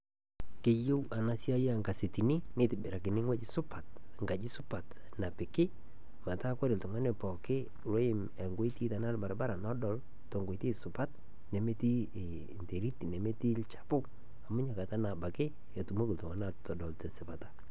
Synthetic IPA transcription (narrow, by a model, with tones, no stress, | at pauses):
kɪ˦jʊ˦wa˨na˦sja˦je˦a˨ŋɡa˨se˨ti˨ni˦nɪ˦tɪ˨bɪ˨ɾa˨kɪ˨nɪ˦ŋwe˦d͡ʒɪ˦sʊ˦pa˨t | ŋɡa˨d͡ʒɪ˦sʊ˦pa˨t | na˨pɪ˨kɪ˦ | ma˨ta˦kwa˦ɾɪ˨ltɔ˨ŋa˦ne˨pɔ˨kɪ˦ | ɾo˦ɪ˦m | e˨ŋɡwo˦i˦ti˦ta˨na˦lba˨ɾba˦ɾa˨nɔ˦dɔ˨l | tɔ˨ŋɡo˨i˨ti˦sʊ˨pa˦t | ne˨me˦ti˦˨ | nte˨ɾi˦ti˨ne˨me˦ti˦lt͡ʃḁ˦pʊ˦k | a˨mʊ˦ɲa˨ka˨ta˦na˨ba˨kɪ˦ | a˨tu˨mo˦kɪ˨ltʊ˨a˦na˨tɔ˨dɔ˨lte˨sɪ˨pa˨tḁ˨˦